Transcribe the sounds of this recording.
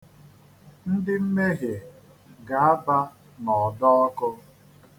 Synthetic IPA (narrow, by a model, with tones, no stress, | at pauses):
n̩˦dɪ˦m̩˦me˦ɦe˨ | ɡa˨a˦ba˦ | nɔ˨dɔ˦ɔ˦kʊ˦